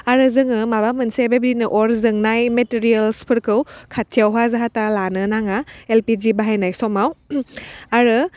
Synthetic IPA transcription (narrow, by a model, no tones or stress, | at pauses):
aɾɯzɯŋɯmabamɯnsebebdinɯʔɔɾzɯŋnajmetiɾielspʰɯɾkʰɯwkʰat̚ʰijawɦazaɦatalanɯnaŋaelpid͡ʒibaɦajnajsɔmaw | aɾɯ